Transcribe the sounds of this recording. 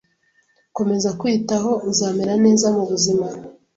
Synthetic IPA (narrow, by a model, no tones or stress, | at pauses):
ko̞me̞zakwitaɦo̞uzaːmeɾane̞ːzamuβuzima